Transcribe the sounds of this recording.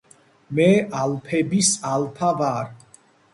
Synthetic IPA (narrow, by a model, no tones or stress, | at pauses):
mɛalpʰɛbisalpʰavaːɾ